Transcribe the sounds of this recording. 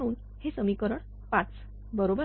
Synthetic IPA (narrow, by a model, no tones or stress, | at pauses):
uːn | hesəmikəɾəɳ | pat͡s | bəɾobə